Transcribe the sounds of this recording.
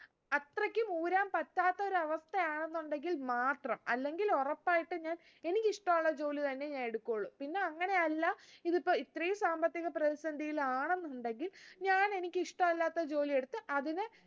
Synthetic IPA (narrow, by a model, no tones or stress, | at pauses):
ɐt̪rɐkʲːɨmuːɾaːmpɐtːaːt̪ːɐo̞ɾuɐʋɐst̪ʰɐjaːɳenːuɳɖe̞ŋɡilmaːʈrɐmɐ̰lːe̞ŋɡilorɐpːaːjiʈːɨɲaːn | e̞nikʲːɨiʂʈɐmuɭːɐd͡ʑo̞ːlit̪ɐnːe̞ɲaːne̞ɽukːoɭːumpinːe̞ɐŋːɐne̞ɐlːɐiðipːoːit̪ːrijɐsaːmbɐt̪ːiɣɐprɐðisɐnd̪ijilaːɳe̞nːuɳɖe̞ŋɡilɲaːne̞nikʲːɨiʂʈɐmɐlːaːt̪ːɐt͡ɕo̞ːlie̞ɽut̪ːɨʔɐðinɨ